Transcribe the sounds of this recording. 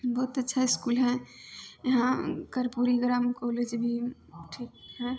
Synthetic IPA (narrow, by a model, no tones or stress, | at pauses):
bɔːt̪ɐtːʃʰaɪskuːlɦɛ̃jɐɦãkɐɾpuɾiɡɾaːmkɔːled͡ʒbʱi | ʈʰiːk̚ɦɛ̃ː